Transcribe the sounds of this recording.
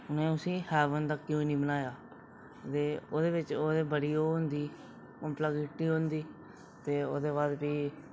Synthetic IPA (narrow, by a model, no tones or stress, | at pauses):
ʊnẽːʊsĩːhɛːʋənd̪aːkjõːiːnĩːbənaːjaː | t̪eːoːd̪eːʋɪt͡ʃoːd̪eːbəɽiːoːɦʊnd̪iː | omplaɡɪʈːiːɦõnd̪iː | t̪eːo̰ːd̪eːβaːd̪biː